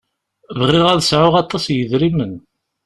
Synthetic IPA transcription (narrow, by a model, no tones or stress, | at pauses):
vəʁiʁæðəsʕʊʁɑt̪ˤːɑsjəðɾimən